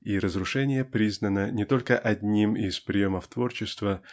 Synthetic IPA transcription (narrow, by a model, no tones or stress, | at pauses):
iɾəzɾʊʂɛnʲɪjəpɾʲiznənənʲɪt̪o̞lʲkəʔɐdʲnʲimɪspɾʲɪjo̞məft̪vo̞rt͡ɕɪst̪və